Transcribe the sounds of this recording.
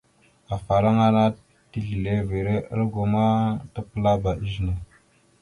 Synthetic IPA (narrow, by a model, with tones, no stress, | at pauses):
a˨fa˨ɾa˦ŋa˦na˦ | ti˦ɮi˨le˦ve˨ɾe˦ʔə˦ɾɡo˨ma˦tə˦pə˦la˦ba˨i˦ʒna˨